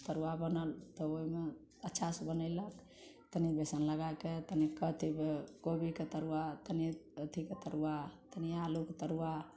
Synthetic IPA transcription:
t̪əɾuabənəlt̪ɔoɦime | ətːʃʰasbənəɪlək | t̪ənibesənləɡajket̪ənikət̪ʰibekobiket̪əɾuwat̪əniət̪ʰiket̪əɾuat̪ənialuket̪əɾuwa

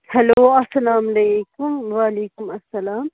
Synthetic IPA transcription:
hɐloːɐsɐlaːmlekʊmwaːleːkʊmɐsːɐlaːm

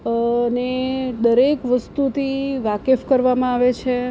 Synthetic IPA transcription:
əned̪əɾekʋəst̪ut̪ʰiʋakefkəɾʋamãaʋet͡ʃʰe

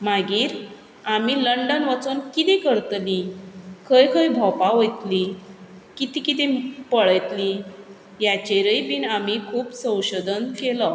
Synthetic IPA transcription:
maɡiːɾ | amiːləɳɖənʋat͡suːnkit̪ẽkəɾt̪likʰəjkʰəjbʱɔpaɦojt̪li | kit̪ikit̪ẽpəɭəjt̪li | jat͡ɕeɾəjpiːnamikʰuːpsə̃w̃ɕod̪ənkelɔ

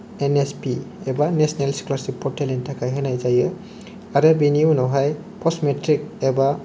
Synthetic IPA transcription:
enespiebanesnelsi̥klasipʰɔtelintʰakʰajɦenajzajɯ | aɾebiniunɔwɦaj | pʰɔsmetɾik̚eba

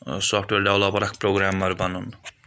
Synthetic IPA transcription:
sɔfʰʈweɾɖawlɔpɔɾakʰpɾoɡɾamaɾbanun

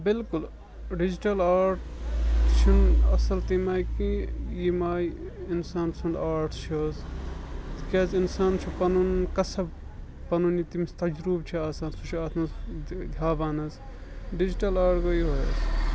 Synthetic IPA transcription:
bilkul | ɖid͡ʒiʈɐlaːɾʈ | t͡ʃʰinɐsɐlt̪imaːjkijimaːjinsaːnsund̪aːɾʈʰt͡ʃʰos | t̪keːzinsaːnt͡ʃʰipɐnunkɐsɐb | pɐnunit̪imist̪ɐd͡ʒɾuːbt͡ʃʰiaːsaːnsut͡ʃʰiaːt̪ʰmɐsd̪ʱjaːbaːnɐs | ɖid͡ʒiʈɐlaːɾʈkojiɦoj̰s

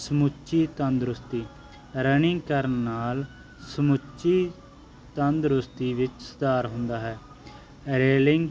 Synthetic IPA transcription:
səmʊt͡ʃiːt̪ənd̪ɾʊst̪iː | ɾənɪ̃ŋɡkəɾənːaːl | səmʊt͡ʃiː | t̪ənd̪ɾʊst̪iːʋɪt͡ʃsə̥d̪aːɾɦʊ̃nd̪aːɦɛː | ɾeːlɪŋɡ

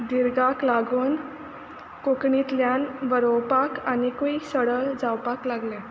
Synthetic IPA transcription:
d̪iɾɡaklaɡuːn | kokɳit̪ljanʋəɾowpakanikuisəɽəd͡zawpaklaɡlɛ̃

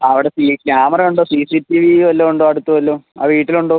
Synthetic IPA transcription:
ɐʋiɽe̞sikjaːmɐrɐmuɳɖoːsisitːiʋiʋɐlːoːuɳɖoːɐɽut̪ːuʋɐlːoːa̰ːʋiːʈːiluɳɖoː

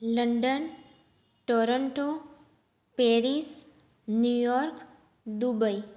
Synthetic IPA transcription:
ləɳɖən | ʈoɾəɳʈo | peːɾis | njujɔːɾk | d̪ubəi

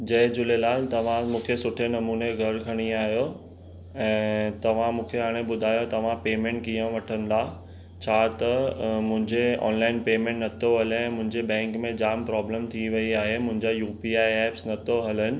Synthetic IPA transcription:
d͡ʑɐɦɪ̃d͡ʑʊlelaːlt̪ɐʋ̤ãmũːkʰesʊʈʰenɐmuːneɡʱɐɾkʰɐɽ̃iaːɦijo | ɛ̃ːt̪ɐʋ̤ãmũːkʰeɦaːɽ̃ebʊd̪ʱaːjot̪ɐʋ̤ãpeːmẽɳʈ̚kijə̃ʋɐʈʰənɪ̆d̪a | t͡ɕʰaːt̪ɐmʊ̃ɦɪ̃ɲd͡ʑeɔ̰ːnlaːɪnpeːmẽɳʈnɐt̪ʰoɦɐlɛ̃ːmʊ̃ɦɪ̃ɲd͡ʑebɛ̃ːŋkmẽd͡ʑaːmpɾɔːbləmt̪ʰiʋɐiaːɦemʊ̃ɦɪ̃ɲd͡ʑajuːpiaːiɛːpsnɐt̪ʰoɦɐlənɪ̆

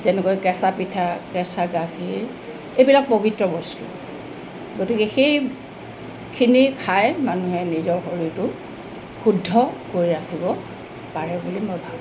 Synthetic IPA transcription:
zɛnɛkojkɛsapitʰakɛsaɡaxiɹ | ejbilak̚pobʱitɹɔbɔstṵ | ɡotikɛxej | kʰinikʰajmanuɦɛnizɔɹxoɹitʊ | xudʱːɔkoɹiɹakʰibɔ | paɹɛbulimojbʱa

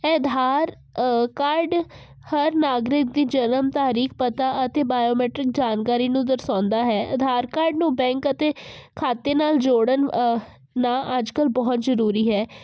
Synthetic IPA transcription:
ɛd̪ʱaːɾ | kaːɾɖ | həɾnaːɡɾɪk̚d̪iːd͡ʒənəmt̪aːɾiːk̚ʰpət̪aːət̪eːbaːjoːmɛːʈɾɪk̚d͡ʒaːnkaːɾiːnũːd̪əɾsãːnd̪aːɦɛːʔəd̪ʱaːɾkaːɾɖnũːbɛ̃ːŋkət̪eːkʰaːt̪eːnaːld͡ʒoːɽən | naːʔəd͡ʒkəlbɔːt̪zəɾuːɾiːɦɛː

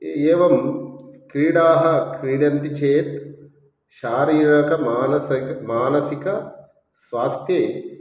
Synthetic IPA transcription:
eeːʋɐmkɾiːɽaːɦɐ̆kɾiːɖɐnt̪it͡ʃʰeːt̪ | ʃaːɾiːɾɐkɐmaːnɐsɐkmaːnɐsikɐ | sʋaːst̪ʰjeː

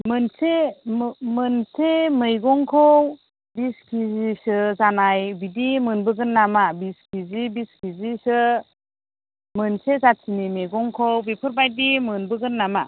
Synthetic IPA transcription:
mɯnse | mɯnsemɯjɡɔŋkʰɔw | biskʰizisɯzanajbidimɯnbɯɡɯnːamabiskʰizibiskʰizisɯ | mɯnsezasʰinimejɡɔŋkʰɔwbipʰɯɾbajdimɯnbɯɡɯnːama

